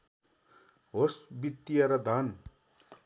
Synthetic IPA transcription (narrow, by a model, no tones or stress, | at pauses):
ɦosbit̪ːijʌɾʌd̪ʱan